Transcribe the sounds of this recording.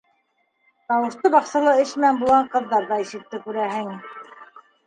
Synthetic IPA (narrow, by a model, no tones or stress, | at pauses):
t̪ɑwɤ̆ʃt̪ɤbɑqsɤ̆lˠɤɘʃmænbulˠɑɴqɤ̆ðːɑɾðɑiʃɘ̆t̪ːɘkʉɾæɦɘŋ